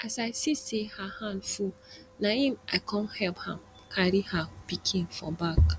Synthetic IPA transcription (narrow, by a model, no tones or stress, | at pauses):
asaɪsisehahãndfu | naĩma̰ɪkʰɔ̃nhɛlphã̰m | kʰaɾihapikʰĩŋfɔ̰bak